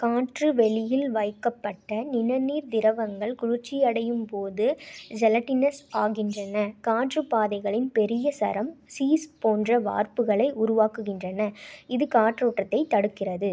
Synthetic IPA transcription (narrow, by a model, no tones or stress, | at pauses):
kaːʈrɯʋɛɭɪjɪlʋɐjkːɐpːɐʈːɐnɪnɐniːɾd̪ɪɾɐʋɐŋɡɐɭkʊɻʊɾt͡ʃːɪjɐɽɐjɯmpoːðɯd͡ʒɛlɐʈːɪnɐsaːɣɪndrɐnɐkaːʈrɯpaːðɐɪɣɐɭɪnpɛɾɪjɐsɐ̰ɾɐmsiːspoːndrɐʋa̰ːɾpɯɣɐɭɐɪʔʊɾʊʋaːkɯɣɪndrɐnɐɪðɯkaːʈroːʈːɐt̪ːɐɪt̪ːɐɽɯkːɪrɐðɯ